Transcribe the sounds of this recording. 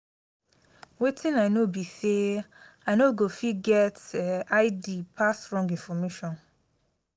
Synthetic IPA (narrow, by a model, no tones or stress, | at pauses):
wetʰɪ̃nanobiseanoɡofiɡɛtaɪdipʰasɹɔ̃ŋɡĩnfɔmeʃɔ̃n